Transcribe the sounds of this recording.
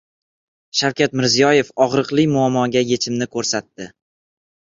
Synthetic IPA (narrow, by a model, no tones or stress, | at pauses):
ʃawkʲat̪mɪɾzijɒje̞fɒʁɾɨqlˠɪjmʊamːɒɡʲaje̞t͡ʃʰɪmnɪkʰɵɾsat̪ːɪ